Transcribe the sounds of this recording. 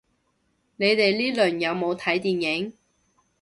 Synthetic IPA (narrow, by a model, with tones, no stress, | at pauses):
ne˨˧jt̪e˨jliː˥lɵ˨˩njɐ˨˧wmo˨˧wt̪ʰɐ˨˥jt̪iː˨njɪ˨˥ŋ